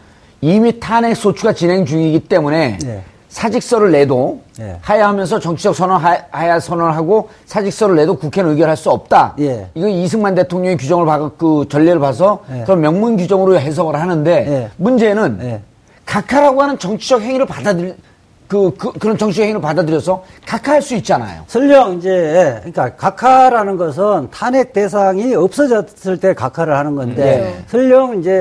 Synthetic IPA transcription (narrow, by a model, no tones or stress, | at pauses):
imitʰane̞s͈ʰot͡ɕʰuɡat͡ɕinɦe̞ŋd͡ʑuŋiɡit͈e̞mune̞ | sʰad͡ʑik̚s͈ʌɾɯɭːe̞dohajaɦamjʌns̬ʰʌt͡ɕʌŋt͡ɕʰid͡ʑʌk̚sʰʌnhajasʰʌnʌɯɭɦaɡo | sʰad͡ʑik̚s͈ʌɾɯɭːe̞dokukʰenɯɡjʌɾɦaɭs͈uʌp̚t͈ajiɡʌis̬ʰɯŋmande̞tʰoŋɲʌŋikud͡ʑʌŋɯɭpakɯt͡ɕʌʎːeɾɯɭpas̬ʰʌkɯɾʌnmjʌŋmunɡud͡ʑʌŋɯɾoɦe̞s̬ʰʌɡɯɾɦanɯnde̞mund͡ʑe̞nɯnje | kakʰaɾɦaɡoɦanɯnt͡ɕʌŋt͡ɕʰid͡ʑʌk̚heŋiɾɯɭpadad | kɯkkɯɾʌnt͡ɕʌŋt͡ɕʰiʌkheŋiɾɯɭpadadɯɾjʌsʰʌkakʰaɦaɭs͈uit̚t͡ɕ͈ana̰jo̰sʰɯʎːʌŋind͡ʑe̞k͈akakʰaɾanɯnɡʌs̬ʰɯntʰanet͈e̞s̬ʰaŋiʌp̚s͈ʌd͡ʑʌs͈ɯɭt͈e̞kakʰaɾɯɭhanɯnɡʌndesʰɯʎːʌŋind͡ʑe̞